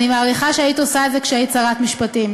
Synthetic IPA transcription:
nimaːʁiχaʃeaitiosaeze̞kʃeait͡saʁatmiʃpatim

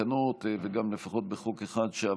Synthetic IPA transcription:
anot̪veɡamle̞faχo̞t̪̚beχokeχad̪ʃea

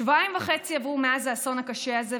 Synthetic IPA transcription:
vaimvaχe̞t͡siavʁumeazaso̞nhakaʃʃeaze

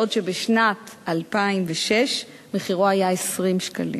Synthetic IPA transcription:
odʃebeʃnatalpaimveʃeʃ | meχiʁoajaesʁimʃkalḭ

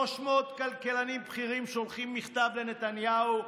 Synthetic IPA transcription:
oʃmeot̪kalkelanimpχiʁimʃolχimːiχt̪avlenet̪anjau

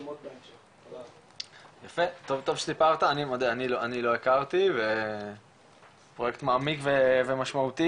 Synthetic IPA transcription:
jafe̞t̪ovt̪ovʃe̥sipaʁt̪aːnimod̪eaniloanilo̞ekaʁt̪ive | pʁojekt̪maːmikvevemaʃmaut̪i

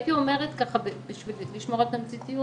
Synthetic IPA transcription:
it̪iome̞ʁet̪kaχabbiʃvilliʃmoʁat̪namt͡sit̪iju

